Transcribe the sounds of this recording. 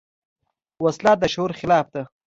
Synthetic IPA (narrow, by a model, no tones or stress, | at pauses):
waslɑːt̪̚d̪əʃoʊɾχɪlɑːfd̪a